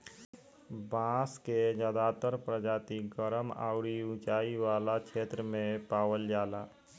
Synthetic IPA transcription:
bãːsked͡ʒaːd̪aːt̪əɾpɾəd͡ʒaːt̪iɡəɾəma̰ːʊɾiũt͡ʃaːiwaːlakʰeːt̪ɾəmẽpaːwəld͡ʒaːlaː

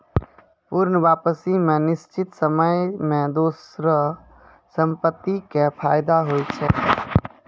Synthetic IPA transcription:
puːɾnəʋaːpəsimẽnɪst͡ʃɪt̪səməmẽd̪oːsɾə | sə̃mpət̪ːikepʰaːjɪd̪aɦoːit͡ʃʰɛː

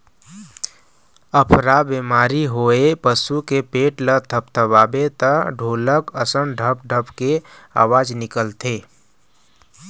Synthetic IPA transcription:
əpʰɾabemaːɾiɦoepəsukepeːʈlət̪ʰəp̚t̪ʰəbaːbet̪əɖʱoːləkəsənɖʱəp̚ɖʱəpkea̰ːwaːd͡ʒnɪkəlt̪ʰeː

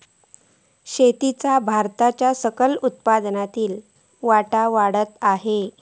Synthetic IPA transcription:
ɕet̪it͡sabʱaɾt̪at͡ɕjasəkəlut̪̚pad̪nat̪iːl | ʋaʈaʋaɽət̪aɦe

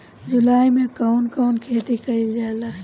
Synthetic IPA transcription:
d͡ʒʊlaːjmẽkankaːnkʰeːt̪ikɐild͡ʒaːlaː

